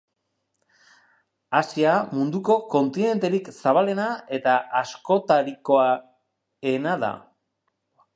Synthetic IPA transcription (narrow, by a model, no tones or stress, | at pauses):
asiamund̪uko̞ko̞nt̪ine̞nt̪e̞ɾiksaβ̞ale̞nae̞t̪aʔːsko̞t̪aɾiko̞a | e̞naða̰